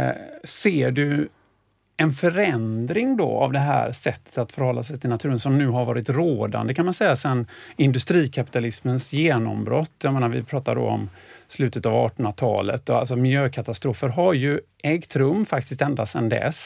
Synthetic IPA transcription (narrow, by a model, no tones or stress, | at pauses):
seːɖɵ | ɛnfœɾɛnd̪ɾɪŋd̪ɔ̰a̰vd̪ɛɦæ̰ːɾsɛt̪ːə̥t̪at̪fœɾhɔlːasɛjt̪ʰɪlnat̪ʰʉːɾənsɔmnʉ̟ːɦaɾvɑːɾɪt̪ɾoːd̪a̰nd̪əkʰanmansɛjːasɛnːɪnd̪ɵst̪ɾiːkʰapɪ̥t̪alɪsmənsjeːnɔ̰mbɾɔt̪ʰːjameːnaɾvɪ̰pʰɾɑːt̪a̰ɾɖɔ̰ɔ̰mslʉ̟ːt̪ət̪avɑ̰ːʈɔnat̪ʰɑ̰ːlə̰t̪ːɔalsɔmɪljøːkʰat̪ast̪ɾuːfəɾɦaɾjɵ | ɛɡt̪ʰɾɵmːfakt̪ɪs̬t̪ɛnd̪asɛnd̪ɛ̰s